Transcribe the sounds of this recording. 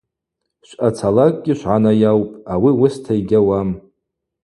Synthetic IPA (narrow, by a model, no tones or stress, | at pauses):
ʃʷʔat͡sʰalakʼɡʲɪʃʷᶣʕanajawpʼawiwʊstʰaiɡʲawam